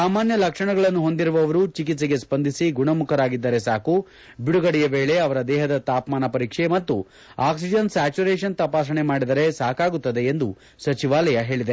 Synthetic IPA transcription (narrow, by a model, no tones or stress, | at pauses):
saːmaːnjɐlɐkʂɐɳɐɡɐɭɐnːuɦo̞nd̪iɾuʋɐʋɐɾut͡ʃik̬it̪sɐɡe̞spɐnd̪ʱisiɡuɳɐmukʰɐɾaːɡid̪ːɐɾe̞saːku | biɽuɡɐɽijɐʋeːɭe̞ɐʋɐɾɐd̪ɛːɦɐd̪ɐt̪aːpmaːnɐpɐɾiːkʂemɐt̪ːu | aːksid͡ʒɐnsaːt͡ʃuɾeːʂɐnt̪ɐpaːʃɐɳemaːɽid̪ɐɾe̞saːkaːɡut̪ːɐd̪e̞ːnd̪u | sɐt͡ʃiʋaːlɐjɐɦe̞ːɭid̪e